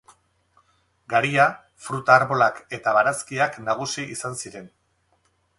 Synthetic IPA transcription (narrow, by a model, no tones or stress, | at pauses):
ɡaɾia | fɾut̪aːɾβo̞lake̞t̪aβaɾaskiaknaɣ̞usiisansiɾe̞n